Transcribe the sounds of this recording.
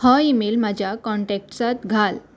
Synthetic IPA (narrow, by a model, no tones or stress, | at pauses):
həimeːlmad͡ʑʱjakɔɳʈɛk̚ʈsat̪ɡʱal